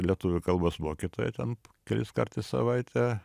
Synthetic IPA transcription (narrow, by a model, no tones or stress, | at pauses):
lʲiɛt̪ʊʋʲʊkɐlˠbosmoːkʲɪt̪oːjɛt̪ʲɛnkʲɛlʲɪskɐrt̪ʲɛɪssɐ̰ʋɐɪt̪ʲɛ